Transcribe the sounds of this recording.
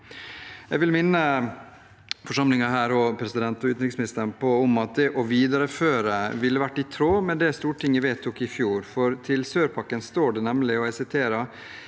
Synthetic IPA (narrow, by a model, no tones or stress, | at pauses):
ɛɡʋɪlmɪnːə | fɔʂɑmlɪŋɑɦæːɾɔpʰɾɛsɪd̪ɛnt̪ɔʉːɾɪksmɪnɪst̪əɳpʰɔɔmɑt̪̚d̪ɛʔɔʋiːd̪ɑɾəføːɾəʋɪlːəʋæʈːɪt̪ʰɾoːmɛnd̪ɛst̪uːʈʰɪŋːəʋeːt̪ʰːɔkːɪfjuːɾfɔɾt̪ʰɪlsøːɾpʰɑkːənst̪oːɖɛnɛmlɪɔɛsɪt̪ʰeːɾɑ